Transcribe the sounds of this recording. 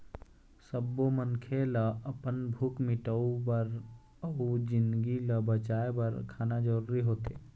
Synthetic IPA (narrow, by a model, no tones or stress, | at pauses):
səbːomənkʰeləəpənbʱukmɪʈəubəɾ | əud͡ʒɪ̃nd̪ɡiləbət͡ʃaːebəɾkʰaːnad͡ʒəɾuɾiɦoːt̪e